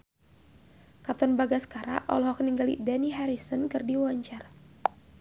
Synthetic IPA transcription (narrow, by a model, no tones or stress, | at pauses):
kat̪ɔnbaɡasə̥kaɾa̰ʔɔ̰lɦɔkəniŋɡalḭdaniɦaɾisɔnkɨrdiwaɲt͡ʃar